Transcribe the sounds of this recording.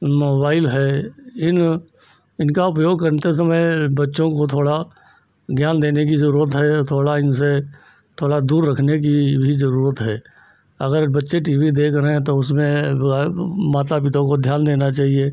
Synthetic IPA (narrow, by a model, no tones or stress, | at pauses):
moːbaːɪlɦɛɪn | ɪnkaʊpjoːɡ̚kəɾnt̪es̬əməjbətːʃõkot̪ʰoːɽa | ɡjaːnd̪eːnek̬izəɾuːɾət̪ɦɛt̪ʰoːɽaɪnse | t̪ʰoːɽad̪uːɾːəkʰnek̬ibʱizəɾuːɾət̪ɦɛː | ɐɡəɾbətːʃeʈiːbid̪eːkʰɾəɦẽt̪oʊsmẽbamaːt̪̬apɪt̪õkod̪ʱjaːnd̪eːnat͡ʃaːɦie